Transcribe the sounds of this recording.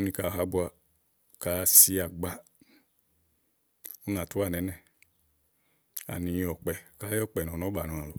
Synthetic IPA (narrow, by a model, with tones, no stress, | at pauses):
nĩ˧ka˧˨ɦa˧˦bu˧a˧ | ka˧˦si˧˦a˨ɡ͡ba˧ | o˦nã˨tu˦a˦˨nɛ˨˦nɛ̃˦˨ | a̰˨nĩ˨˧ɔ˨k͡pɛ˨ka˦jɔ˦˨k͡pɛ˨nɔ̃˨nɔ˨˦ba˨nɔ̃˨ã˨lo˨